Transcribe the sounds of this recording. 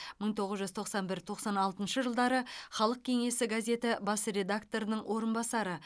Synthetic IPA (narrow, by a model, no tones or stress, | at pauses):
məɴt̪ʰo̞ʁəzʒʏzt̪ʰo̞qsɑnbɪɾt̪ʰo̞qsɑnɑlˠt̪ənʃəʒəlˠd̪ɑɾəχɑlˠəq̚kʲʰe̞ŋe̞sɪɡazʲe̞t̪ɪbɑsɾe̞d̪akt̪o̞ɾənəɴwʔo̞ɾənbɑsɑɾə